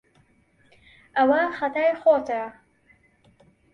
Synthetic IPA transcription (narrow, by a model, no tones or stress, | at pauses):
awaχat̪ʰajχot̪ʰa